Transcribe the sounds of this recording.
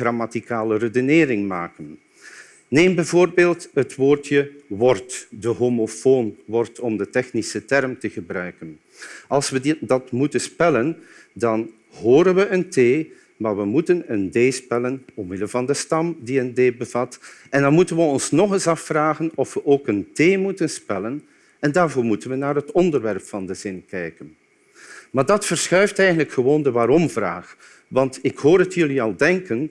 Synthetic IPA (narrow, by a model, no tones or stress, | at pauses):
ramatikaːlərədəneːɾɪŋmaːkən | neːmbɛvoːrbeːlˠtɦətʋoːrtjəʋɔrtdəɦoːmofoːnʋɔrtɔmdətɛxnisətɛrmtəɣəbrœɥkən | ɑlˠsʋədɑtmutənspɛlən | dɑn | ɦoːɾənʋəʔənteː | maːrʋəmutənəndeːspɛlənɔmmɪdəlvɑndəstɑmdiəndeːbəv̥ɑtɛndɑnmutənʋəɔnsnɔχəsɑfːraːɣənɔfʋəʔoːkənteːmutənspɛlən | ɛndaːrvoːɹmutənʋənaːrɦətɔndərʋɛrpfɑndəzɪnkɛjkən | maːrdɑtfərsxœɥftɛjɣəndləkxəʋoːndəʋaːɾɔmvra̰ːχ | ʋɑntɪkhoːɾətʰjɵliɑlˠdɛŋkən